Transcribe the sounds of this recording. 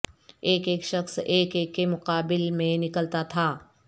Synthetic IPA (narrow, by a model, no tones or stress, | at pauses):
eːkeːkʃəxseːkeːkːemʊqaːbɪlmẽnɪkəlt̪at̪ʰaː